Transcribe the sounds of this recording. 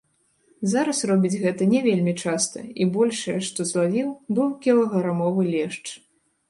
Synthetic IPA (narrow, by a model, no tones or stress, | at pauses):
zaɾɐsrɔbʲid͡zʲɣɛt̪ɐnʲɛvʲelʲmʲit͡ʂast̪ɐ̰ibɔlʲʂɐjɛʂt̪ɔzlˠavʲiwbɨwkʲɛlˠɐɣɐɾamɔvɨlʲɛʂt͡ʂ